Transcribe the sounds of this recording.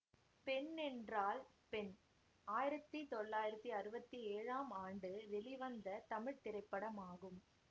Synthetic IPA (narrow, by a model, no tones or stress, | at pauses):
pɛnɛndraːl | pɛn | aːjɪɾɐt̪ːit̪ɔɭːaːjɪɾɐt̪ːiɐɾɯbɐt̪ːieːɻaːmaːɳɖɯʋɛlɪʋɐnd̪ɐt̪ɐmɪɻt̪ɪɾɐɪpːɐɽɐmaːɣɯm